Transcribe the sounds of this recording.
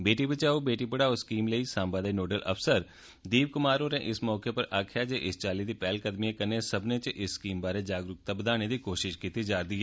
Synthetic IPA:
beːʈiːbət͡ʃaːoːbeːʈipəɽaːoskiːmləiːsãːmbad̪eːnoːɖələ̰fsəɾ | d̪iːbkʊmaːɾoːɾẽʔɪsmɔːkepəɾʔaːkʰjaːd͡ʒeːʔɪst͡ʃaːlid̪iːpɛːlkəd̪mijekəɾnesəbneːt͡ʃʔɪsːkiːmbaːɾeːd͡ʒaːɡɾʊk̚t̪abəd̪aːñed̪iːkoːʃɪʃkiːt̪id͡ʒaːd̪iːɦɛː

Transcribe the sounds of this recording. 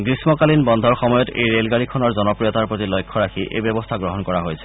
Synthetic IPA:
ɡɹismɔkalinbɔnd̪ʱɔɹxɔmɔjɔtḛjɹelɡaɹikʰɔnɔɹzɔnɔpɹijɔtaɹpɹotilojkʰːɔɹakʰiʔʔḛjbɔbɔstʰaɡɹoɦɔnkɔɹaɦojsʰɛ̥

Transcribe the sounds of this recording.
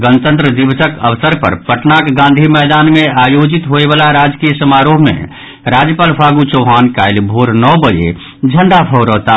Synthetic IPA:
ɡənt̪ə̃nt̪ɾəd̪ibsəkə̰ʋsəɾpə̰ɾpəʈnakɡãːnd̪ʱimɛːd̪aːnmẽajod͡ʒit̪ɦoeʋaːlaɾad͡ʒkijəsəmaɾoːɦmḛ̃ | ɾad͡ʒjəpaːlpʰaɡut͡ʃɔːɦaːnkaːɪlbʱoːɾnɔbəd͡ʒḛ | d͡ʒʱəɳɖapʰɔɾəːt̪a

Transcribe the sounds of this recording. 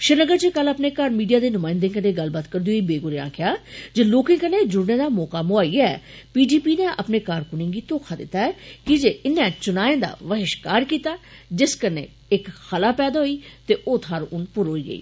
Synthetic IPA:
ʃɪnəɡəɾt͡ʃekələpneːkaɾmiːɖijaːd̪eːnʊmaːɪ̃nd̪eːkəneːɡəlbaːt̪kəɾd̪iɦoiːbeːɡʊɾɪjã̰ːkɪjaːd͡ʒeloːkɪ̃kəneːd͡ʒʊɽneːd̪aːmɔːkaːmʊaːiːaɛːpiːɖiːpiːnẽːʔəpneːkaːɾkʊnẽːɡiːt̪oːkʰaːd̪ɪ̰t̪ːaːɛːkɪd͡ʒeːɪnːɛ̃ːt͡ʃʊnaːẽːd̪a̰ːʋəɦɪʃkaːɾkiːt̪aːd͡ʒɪskənḛː | ɪkxəlaːpɛːd̪aːɦoiːt̪eːʔoːt̪ʰaːɾʊnpʊɾɦoːiːɡə̰ḭː

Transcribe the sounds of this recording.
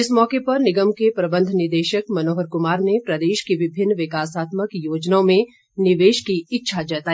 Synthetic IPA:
ɪsmɔːkepɐɾnɪɡəmkepɾɐbə̃nd̪ʱnɪɾd̪eːʃəkmɐnoːɦəɾkʊmaːɾnepɾɐd̪eːʃkiʋɪbʱɪnːʋɪkaːsaːt̪məkjoːd͡ʒnaõmẽ | nɪʋeːʃkiɪtːʃʰad͡ʒɛːt̪aːi

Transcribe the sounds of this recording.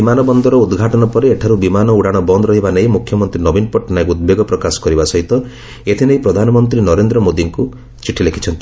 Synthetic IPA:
imanɔbɔnd̪ɔɾɔud̪ɡʱaʈɔnɔpɔɾeeʈʰaɾubimanɔuɽaɽ̃ɔbɔnd̪ɔɾɔɦibanej̃mukʰjɔmɔnt̪ɾinɔbinpɔʈːnajkud̪̚beɡɔpɾɔkasɔ̥kɔɾibasɔɦit̪ɔ | et̪ʰinejpɾɔd̪ʱanɔmɔnt̪ɾinɔɾend̪ɾɔmod̪iŋku | t͡ʃiʈʰilekʰi̥t͡ʃʰɔnt̪i

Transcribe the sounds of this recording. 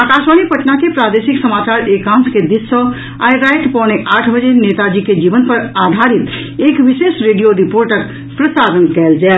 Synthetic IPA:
aːkaːʃʋanipəʈnakepɾaːd̪eːsɪksəmaːt͡ʃaːɾeːkãːnsked̪issə | a̰ːjɾaɪʈpɔ̃ːñeʔaːʈʰbəd͡ʒeneːt̪ad͡ʒiked͡ʒiːʋənpəɾaːd̪ʱaɾit̪ | eːkʋiʃeːsɾeːɖijoɾipoːɾʈək̚ | pɾəsaːɾənkɛːld͡ʒɛː

